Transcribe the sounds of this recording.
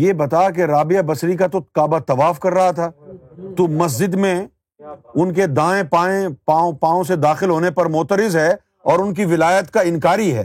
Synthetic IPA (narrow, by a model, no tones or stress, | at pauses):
jeːbɐt̪aːak̬eɾaːbɪjabɐsɾikat̪okaːbat̪ɐʋaːfkɐɾːɐɦat̪ʰaːt̪oːmɐs̬d͡ʒɪd̪mẽ | ʊnk̬ed̪ãːẽpãːẽpaːõpãːõsed̪aːxɪlɦoːnepɐɾmʊːt̪əɾɪzɦɛː | ɔːɾʊnk̬iʋɪlaːjət̪kaɪ̃nkaːɾiɦɛ̰ː